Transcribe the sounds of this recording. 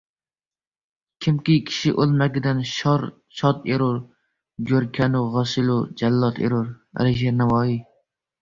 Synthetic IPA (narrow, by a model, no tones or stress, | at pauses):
kʲʰɪmkʲikʲʰi̥ʃɪʔolˠmɛɡʲɪd̪ɛnʃɾ | ʃɑt̪eɾoɾ | ɡʲoɾkʲʰɛnʊʁɑsɪlud͡ʒælːɑt̪ʰḛɾoɾ | æ̰lɪʒeɾnæwɑːi